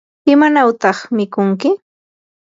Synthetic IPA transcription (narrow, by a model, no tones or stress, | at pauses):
ɪmanawt̪ɑχmɪkʊŋkɪ